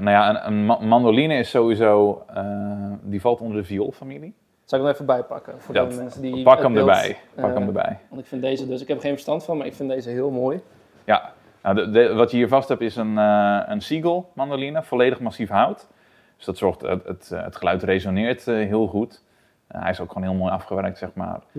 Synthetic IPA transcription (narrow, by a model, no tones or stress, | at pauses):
najaənə̰nmandolinəɪsːoːwʋizoːədivalˠtondərdəvio̰lˠfamilˠi | saɪknɛfəbɛjpakəfodɛɛnsədipakəmdəbɛ̰jppaəmdəbɛ̰jɔnɪkfɪndejzədøsɪkhɛpχeːnfərstantfɔnmaɪkfɪndeːzəɦɪəlˠmoːj | ja̰ | nawddʋɔtjəiːəvasthɛpɪsənəənsiɡəlˠmandolinəfoleːdəxmasifɦawt | d̥øsd̥ɔtsɔɹxtətə̰tχəlœɥtrezonɪəɹtɦiəlˠxut | hɛ̰jɪsokxoːnɦiəlˠmoːjafχəʋɛrk̚tsɛxma̰ːr